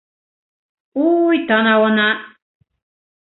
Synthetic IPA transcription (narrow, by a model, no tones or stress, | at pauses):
ujt̪anawona